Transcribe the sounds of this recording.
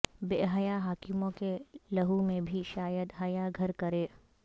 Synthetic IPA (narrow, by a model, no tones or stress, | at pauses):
beːɦɐjaɦaːkɪmõkelɐɦumẽbʱiʃaːjəd̪ɦɐjaɡʱɐɾkɐɾeː